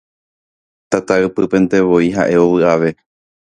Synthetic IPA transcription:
t̪at̪aɨpɨpẽ̞nt̪e̞ʋo̞iɦa̰ʔe̞o̞ʋɨaʋe̞

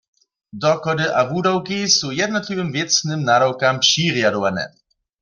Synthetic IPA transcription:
dɔkɔdɨʔavuːdawkisujɛdnɔt̪livəmvjɛt͡snɨmnadawkampʃiʁjadɔvanɛ̰

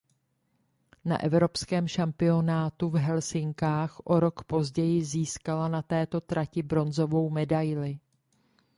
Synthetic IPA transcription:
na̰ʔɛvɾo̞pskɛːmʃampɪo̞naːt̪uvɦɛlsɪŋkaːxʔo̞ɾo̞kpo̞zɟɛjɪziːskalanat̪ɛːt̪o̞t̪ɾacɪbɾo̞nzo̞vo̞wmɛdajlɪ

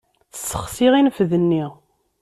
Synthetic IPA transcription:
θsːəχsiʁinəfðənːi

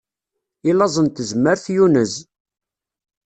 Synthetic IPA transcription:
ilɑzˤənt̪əzmːəɾθjunəz

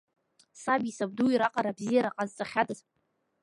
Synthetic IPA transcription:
sabisabduiɾaqʼaɾabzijaɾaqʼazt͡sʼaχʲadʼaz

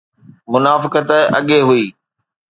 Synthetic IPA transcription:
mʊnaːfɪkət̪ɐɠeɦʊiː

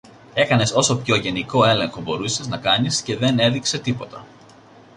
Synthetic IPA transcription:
e̞kɐne̞so̞so̞pço̞ʝe̞niko̞e̞le̞ŋxo̞bo̞ɾuse̞znɐkɐnisce̞ðe̞ne̞ðikse̞t̪ipo̞t̪ɐ

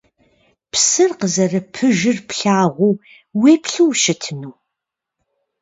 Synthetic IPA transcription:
pʰsɨrqəzɐrɨpʰɨʒɪrpɬaːʁʷuː | weːpʰɬuwʃɨtʰnuː

